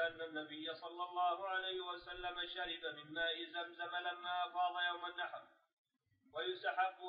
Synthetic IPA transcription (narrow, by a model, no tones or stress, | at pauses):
ʔanːanːabɪjːasˤɑlːɑlˤːɑːhʊʕalajhɪwasalːamaʃaɾɪbamɪnːaːʔɪzamzamalamːaːʔɑfɑːd̪ˤɑjawmanːaħɾ | wajʊst̪aħabːʊ